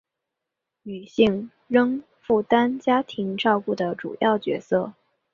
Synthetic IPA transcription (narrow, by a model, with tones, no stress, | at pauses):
ny˨˩ɕi˥˧ŋ | ɻɤ˥ŋ | fu˥˩t̪a˥nt͡ɕja˥t̪ʰi˧˥ŋʈ͡ʂɑ˥˧ʊku˥˩d̪ə˩ʈ͡ʂṵ˨˩jɑ̰˥˩ʊt͡ɕɥɛ̰˧˥sɤ˥˩